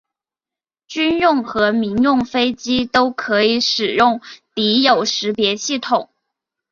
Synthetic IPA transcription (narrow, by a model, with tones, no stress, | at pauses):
t͡ɕy˥njʊ˥˩ŋxɤ˧˥mi˧˥ŋjʊ˥˩ŋfe˥ɪt͡ɕi˥t̪o˥ʊkʰɤ˧˥i˧˩˦ʂɻ̩˨˩jʊ˥˩ŋt̪i˧˥jo˨˩ʊʂɻ̩˧˥pjɛ˧˥ɕi˥˩t̪ʰʊ˨˩˦ŋ